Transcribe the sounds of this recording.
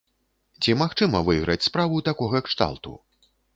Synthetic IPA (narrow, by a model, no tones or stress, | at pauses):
t͡sʲimaxt͡ʂɨmɐvɨiɣɾɐt͡sʲspɾavut̪akɔɣɐkʂt̪a̰lˠt̪ṵ